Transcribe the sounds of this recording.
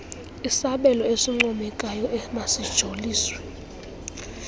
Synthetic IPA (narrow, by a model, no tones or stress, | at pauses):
isaɓɛlɔesiŋ͡ǃɔmɛkʼajɔʔɛmasid̥ʒ̥ʱoliːswɛ